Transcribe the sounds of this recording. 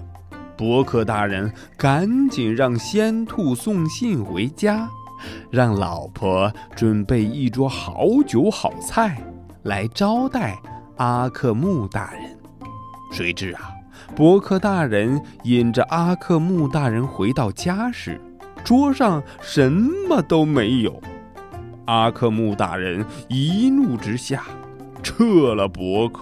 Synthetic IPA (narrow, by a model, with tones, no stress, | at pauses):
pwɔ˧˥kʰɤ˥˧t̪a˥˩ɻə˧˥n | ka˧˥nt͡ɕi˨˩nɻɑ˥˩ŋɕjɛ˥nt̪ʰu˥˧sʊ˥˧ŋɕi˥˩nxwe˧˥ɪt͡ɕja˥ | ɻɑ˥˩ŋlɑ̰˨˩ʊpʰɔ˧˥ʈ͡ʂwə˨˩npe˥˧ɪi˥˩ʈ͡ʂwɔ˥xɑ̰˧˥ʊt͡ɕjo˧˥ʊxɑ˨˩ʊt͡sʰa˥˩ɪ | la˧˥ɪʈ͡ʂɑ˥ʊt̪a˥˩ɪa˥kʰɤ˥˧mu˥˧t̪a˥˩ɻə̰˧˥n | swe˧˥ɪʈ͡ʂɻ̩˥˩ɐ˨˩ | pwɔ˧˥kʰɤ˥˧t̪a˥˩ɻə˧˥ni˨˩nʈ͡ʂə˧ʔa˥kʰɤ˥˧mu˥˧t̪a˥˩ɻə˧˥nxwe˧˥ɪt̪ɑ˥˩ʊt͡ɕja˥ʂɻ̩̰˨˩˦ | ʈ͡ʂwɔ˥ʂɑ˥˩ŋ | ʂə˧˥nmə˧t̪o˥ʊme˧˥ɪjo˨˩˦ʊ | a˥kʰɤ˥˧mu˥˧t̪a̰˥˩ɻə˧˥ni˧˥nu˥˩ʈ͡ʂɻ̩˥ɕja˥˩ | ʈ͡ʂʰɤ˥˩˧lə˩pwɔ˧˥kʰɤ̥˥˩